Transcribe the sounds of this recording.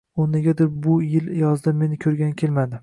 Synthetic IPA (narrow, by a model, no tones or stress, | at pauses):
onːɪɡʲad̪ɪɾbʊjɪljɒzd̪ɪmːe̞nɪkʲʰɵɾɡʲankʲʰelmad̪ɪ